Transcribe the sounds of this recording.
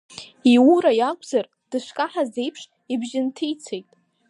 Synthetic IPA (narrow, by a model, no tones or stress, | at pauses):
iuɾajakʷʼzar | d̥ɨʃʷkʼaħaze̞jpʰʂ | ibʒɪntʰijt͡sʰejtʼ